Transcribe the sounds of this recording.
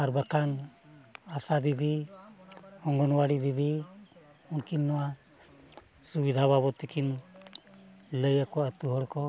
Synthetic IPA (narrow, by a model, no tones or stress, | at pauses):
aɾbakan | asad̪id̪i | hɔŋɡɔnwaɽid̪id̪i | unkinːɔwa | subid̪ʱaβaβɔt̪ɛkʰin | ləjakɔət̪uɦɔɽkɔ